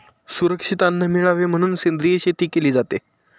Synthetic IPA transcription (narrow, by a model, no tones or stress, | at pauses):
suɾəkʂit̪anːəmiɭaʋem̤əɽ̃uːnsend̪ɾieɕet̪iːkeliːd͡zat̪e